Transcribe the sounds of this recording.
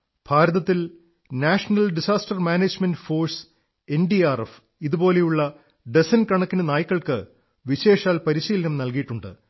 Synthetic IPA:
b̥ʱaːɾɐðɐt̪ːil | naːʂɐnɐlɖisaːsʈɐrmaːneːd͡ʑmenɖfo̞ːrs | e̞nɖiaːref | iðubo̞ːle̞juɭːɐ | ɖesɐnkɐɳɐkːinɨnaːjɐkʲːɐɭkɨ | ʋiɕe̞ːʂaːlpɐɾiɕiːlɐnɐmnɐlkijiʈːuɳɖɨ̰

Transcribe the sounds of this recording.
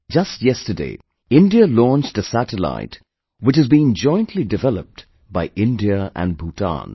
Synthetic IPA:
d͡ʒʌstjɛstə˞dḛɪ | ɪ̃ndiəlɔ̃nt͡ʃtəsætəla̰ɪt | wɨt͡ʃɨzbĩːŋd͡ʒɔ̃ɪ̃ntʰˡlidɨvɛləp̚t | b̥aɪʔɪ̃ndiəʔə̰̃nbutʰã̰n

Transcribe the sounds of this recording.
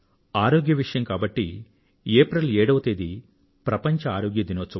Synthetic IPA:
aːɾoːɡjɐʋiʂɐjɐmkaːbɐʈːi | eːpɾɐleːɽɐʋut̪eːd̪i | pɾɐpɐɲt͡ʃɐaːɾoːɡjɐd̪inʋɐt̪sɐ

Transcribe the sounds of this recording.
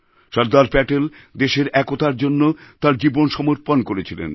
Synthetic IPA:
ʃɔɾd̪aɾpɛʈeld̪eʃeɾɛkot̪aɾd͡ʑonːot̪aɾd͡ʑibonʃɔmoɾponkoɾet͡ɕʰilḛn

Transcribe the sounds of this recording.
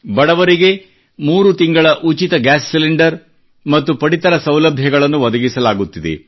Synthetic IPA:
bɐɽɐʋɐɾiɡe̞ | muːɾut̪iŋɡɐɭɐʔut͡ʃit̪ɐɡaːsːiliɳɖɐɾ | mɐt̪ːupɐɽit̪ɐɾɐsɐwlɐbʱjɐɡɐɭɐnːuʋɐd̪ɐɡisɐlaːɡut̪ːid̪e̞̰

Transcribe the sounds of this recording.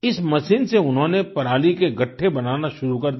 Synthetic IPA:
ɪsmɐsɪnseʊnɦõnepɐɾaːlikeɡɐʈʰːebɐnaːnaʃʊɾukɐɾd̪

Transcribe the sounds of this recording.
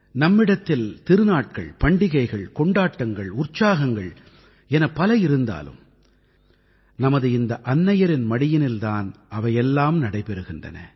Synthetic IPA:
nɐmːɪɽɐt̪ːɪlt̪ɪɾɯnaːʈ̚kɐ̰ɭpɐɳɖɪɣɐɪɣɐɭkɔɳɖaːʈːɐŋɡɐɭʊrt͡ʃaːɣɐŋɡɐɭ | ɛnɐpːɐlɐjɪɾɯnd̪a̰ːlɯ̰m | nɐmɐðɯɪnd̪ɐʔɐnːɐjɐɾɪnmɐɽɪjɪnɪlt̪aːn | ɐʋɐjɛlːaːmnɐɽɐɪpɛɾɯɣɪndrɐ̰nɐ̰

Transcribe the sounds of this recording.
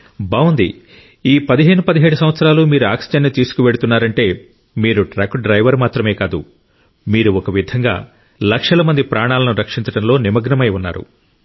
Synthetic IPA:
bɐːwund̪ḭ | iːpɐd̪iɦe̞ːnupɐd̪iɦeːɽusɐm̃ʋɐt̪sɐɾaːlumiːɾuaːksid͡ʒɐnːit̪iːsu̥kuʋeːɽut̪unːaːɾɐɳʈe̞ː | miːɾuʈɾaːkɖɾɐjʋɐɾmaːt̪ɾɐme̞ːkaːd̪ṵ | miːɾuɔkɐʋid̪ʱʰɐŋɡa̰ː | lɐkʂɐlɐmɐnd̪ipɾaːɳaːlɐnuɾɐkʂint͡ʃɐɽɐmlo̞ːnimɐɡnɐmɐjunːa̰ːɾṵ

